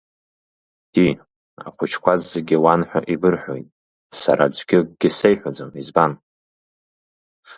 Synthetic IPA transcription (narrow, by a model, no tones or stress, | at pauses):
d̥i | a̰χʷʊt͡ʃʰkʷazːeɡʲiwanħʷᶣa̰ʔibɨrħʷᶣo̰jtʼ | sa̰ɾʔa̰d͡zʷɡʲɪɡ̥ʲɪsejħʷᶣad͡zomizban